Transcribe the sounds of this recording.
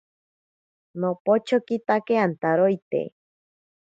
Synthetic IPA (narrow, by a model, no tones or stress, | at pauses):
nopot͡ʃokit̪akeant̪aɾojt̪ḛ